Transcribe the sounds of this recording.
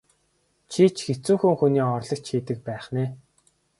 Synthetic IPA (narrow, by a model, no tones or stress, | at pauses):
t͡ɕʰiːt͡ɕxet͡suːŋxuŋxuniːɔrɮə̆k̚t͡ɕxiːt̪ɘ̆k̚pæːχneː